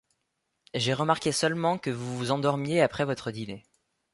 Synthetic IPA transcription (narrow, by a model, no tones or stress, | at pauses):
ʒeʁəmaʁkʲesœlmɑ̃kəvuvuzɑ̃d̪ɔʁmjeapχɛvɔt̪χəd̪ine